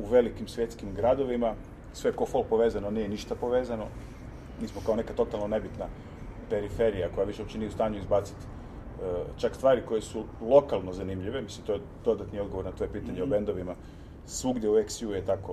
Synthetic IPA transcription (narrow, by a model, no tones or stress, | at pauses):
uʋe̞likimsʋje̞t̪skimɡɾad̪o̞ʋima | sʋe̞kofolpo̞ʋezano̞nijeniʃt̪apo̞ʋe̞ːzano̞ | miːsmokao̞ne̞kat̪o̞t̪alˠno̞ne̞bit̪na | pe̞ɾife̞ɾijako̞jaʋiʃeupt͡ʃiniust̪aːɲuizbat̪si̥t̪ː | t͡ʃakst̪ʋaːɾiko̞jesulˠo̞kalˠnozanimʎiʋemislimt̪o̞jed̪̥o̞d̪at̪nioɡo̞ʋo̞ɾnat̪ʋo̞jepiːt̪aɲeobe̞nd̪oʋima | sʋuɡd̪jeueksjujet̪ako